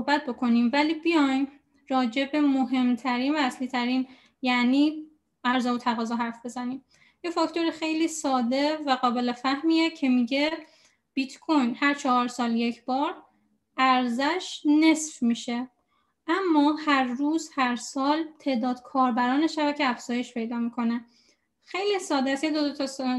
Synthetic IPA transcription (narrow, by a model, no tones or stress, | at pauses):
sohbæt̪̚bo̞kʰo̞niːmvæliːbijɒjn | ɾɒːd͡ʒe̞be̞moɦe̞mt̪ʰæɾiːnvæːsliːt̪ʰæɾiːn | jæʔniː | ʔæɾzɒːvot̪ʰæɣɒːzɒːɦæɾfb̥e̞zæniːm | jefɒcʰt̪o̞ɾexe̞jliːsɒːd̪e̞væɣɒːbe̞lefæhmiːecʰe̞miɟe̞ | b̥it̪ʰkʰojnhæɾt͡ʃʰɒhɒːɾsɒːlje̞cʰb̥ɒːɾ | ʔæɾzæʃne̞sfmiːʃe̞ | ʔæmːɒːhæɾːuːzhæɾsɒːlt̪ʰe̞ʔd̪ɒːd̪̥kʰɒːɾbæɾɒːneʃæbæcʰeæfz̥ɒːje̞ʃpʰe̞jd̪ɒːmikʰo̞ne | xe̞jliːsɒːd̪eæsjed̪od̪ot̪ʰ